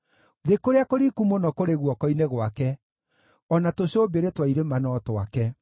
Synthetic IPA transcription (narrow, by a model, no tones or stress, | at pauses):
ðekoɾeakoɾikumonɔkoɾeɣwɔkɔineɣwakɛ | ɔnatoɕobeɾetwaiɾemanɔtwakɛ